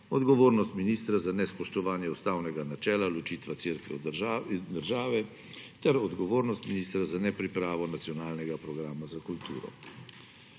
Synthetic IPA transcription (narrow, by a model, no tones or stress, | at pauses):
ɔd̪ɡɔʋoːɾnɔst̪miniːst̪ɾazanɛspɔʃt̪ɔʋaːnjɛɔst̪aːwnɛɡanat͡ʃɛːlalɔt͡ʃiːt̪ʋat̪seɾkʋɛ̰ | d̪əɾʒaːʋɛ | t̪ɛɾɔd̪ɡɔʋoːɾnɔst̪miniːst̪ɾazanɛpɾipɾaːʋɔnat̪sijɔnaːlnɛɡapɾɔɡɾaːmazakult̪ṵːɾɔ̰